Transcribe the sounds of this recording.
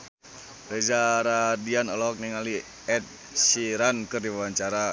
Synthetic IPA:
rɛd͡ʒaɾadianɔlɔk̚nɛŋali | ɛt̪̚ | siɾankɨrdiwawaɲt͡ʃaɾa

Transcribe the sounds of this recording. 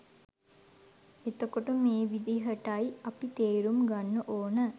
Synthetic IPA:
et̪okoʈəmeːʋid̪iɦəʈɐiɐpit̪eːɾumɡanːəʔoːnə

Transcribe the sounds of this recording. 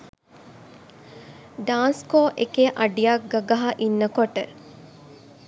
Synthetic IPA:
ɖaːnskoːʔekeʔɐɖijak̚ɡaɡaɦaʔinːəkoʈə

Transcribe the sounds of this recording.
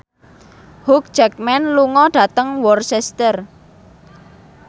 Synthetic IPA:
huk̚d͡ʒɛk̚mɛnluŋɔɖ̥ä̤t̪əŋwɔrsɛst̪ər

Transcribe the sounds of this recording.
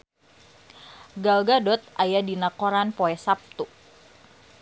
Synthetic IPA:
ɡalɡadɔt̪̚ajadinakoɾanpoɛsap̚t̪u

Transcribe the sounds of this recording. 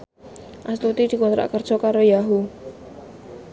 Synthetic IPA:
ʔast̪ut̪id̪̥i̤kɔnt̪ɾa̰ʔkərd̥ʒ̥ɔ̤kaɾojaɦu

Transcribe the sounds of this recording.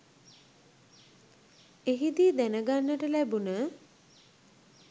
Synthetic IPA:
eɦid̪iːd̪ænəɡanːəʈəlæbunə

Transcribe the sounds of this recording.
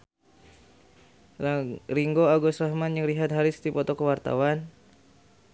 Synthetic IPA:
riŋɡoaɡɔsɾahmanjaŋɾiɦat̪̚ɦaɾist̪ipɔt̪ɔkəwart̪a̰wan

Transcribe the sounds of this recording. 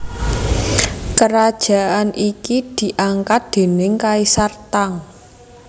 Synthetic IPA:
kəɾad̥ʒ̥a̤ʔanʔikid̪̥i̤ʔaŋkat̪̚d̪̥e̤nɪŋkaisart̪aŋ

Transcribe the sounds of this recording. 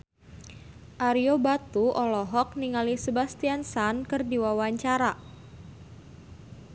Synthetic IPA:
ʔaɾiobat̪uɔlɔɦɔk̚niŋalisebast̪iansankɨrdiwawaɲt͡ʃaɾa

